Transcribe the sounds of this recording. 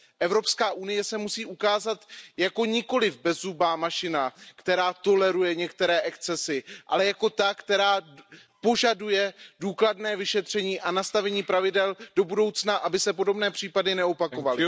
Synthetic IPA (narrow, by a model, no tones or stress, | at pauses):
ʔɛvɾo̞pskaːʔunɪjɛsɛmusiːʔukaːzat̪jako̞ɲɪko̞lɪvbɛzubaːmaʃɪnakt̪ɛɾaːt̪o̞lɛɾujɛɲɛkt̪ɛɾɛːʔɛkt͡sɛsɪʔa̰lɛjako̞t̪akt̪ɛɾaː | po̞ʒadujɛduːkladnɛːvɪʃɛt̪r̝̥ɛɲiːʔanast̪avɛɲiːpɾavɪdɛld̥o̞budo̞wt͡snaʔabɪsɛpo̞do̞bnɛːpr̝̥iːpadɪnɛo̞pako̞valɪ